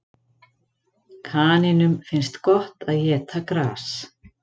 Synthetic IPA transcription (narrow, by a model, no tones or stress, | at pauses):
kʰaːnɪnʏmfɪnst̪kɔht̪aðjɛːt̪ʰakɾaːs